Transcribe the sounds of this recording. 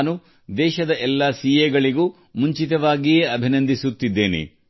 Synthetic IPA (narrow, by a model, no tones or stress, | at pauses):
nu | d̪ɛːʃɐd̪ɐʔɛlːasiːjeɡɐɭiɡuː | muɲt͡ʃit̪ɐʋaːɡijeːɐbʱinɐnd̪ʱisut̪ːid̪ːe̞ːnḛ